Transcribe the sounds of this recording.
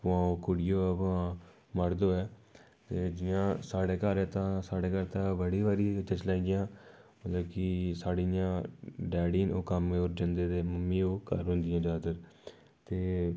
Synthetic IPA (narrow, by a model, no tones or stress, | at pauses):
pãːoːkoɽɪjoːəpãː | məɽd̪oːɛː | t̪eːd͡ʒɪãːsaːɽeːkəɾɛːt̪ãːsaːɽeːkəɾt̪ãːbəɽiːʋaːɾiːt͡ʃ̪ət͡ʃlaːɡɪjãː | mət̪ləbkɪsaːɽijãːɖɛːɽiːnoːkəmoːɾd͡ʒə̃nd̪eːd̪eːməmːĩːoːkə̰ɾɦʊ̃nd̪ɪjãːd͡ʒaːd̪əɾ | t̪eː